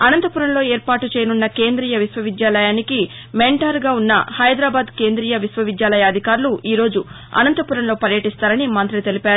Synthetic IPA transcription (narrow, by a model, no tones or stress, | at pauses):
ɐnɐnt̪ɐpuɾɐnlo̞ːe̞ːɾpaːʈut͡ʃeːjɐnunːɐkeːnd̪ɾiːjɐʋisʋɐʋid̪jaːlɐjaːniki | meɳʈaːɾɡaːunːɐ̰hɐjd̪ɾaːbaːd̪ke̞ːnd̪ɾiːjɐʋisʋɐʋid̪jaːlɐjɐːd̪ʱikaːɾuluiːɾo̞ːd͡ʒu | ɐ̰nɐnt̪ɐpuɾɐnlo̞ːpɐɾjɐʈist̪aːɾɐnimɐnt̪ɾilit̪e̞lipaːɾu